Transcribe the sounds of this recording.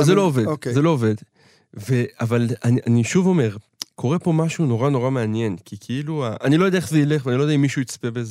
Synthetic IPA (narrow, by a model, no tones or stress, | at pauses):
zelo̞ovezelo̞ːved̪ | ve̞avalanianiʃuvo̞me̞ʁ | kʰo̞ʁe̞po̞maʃuno̞ʁano̞ʁameanje̞nkʰikʰeiluaʔanilo̞jd̪eaeveile̞χveanilod̪aimːiʃujit͡spebeze